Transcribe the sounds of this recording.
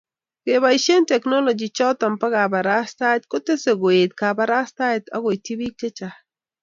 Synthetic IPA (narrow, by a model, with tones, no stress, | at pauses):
ɡ̥e˨βa˨iʃe˦nte˨kno˦lo˨d͡ʒi˨t͡ʃa˦t̪a˨mpa˦ɣa˨ba˨ɾa˦st̪a˦t̪̚kʊ˦t̪e˦se˨ɡo˨e˨t̪̚ka˨ba˨ɾa˦st̪a˦jt̪a˦ɡo˨jti˦bi˦k̚te˦t͡ʃa